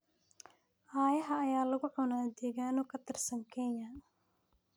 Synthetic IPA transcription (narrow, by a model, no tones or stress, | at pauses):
ʔaːjɐɦɐːjaːlɐɣʊʕʊnaːd̪ɛːɣaːnɔkʰɐt̪ʰɪrsɐŋkʰɛɲjɐ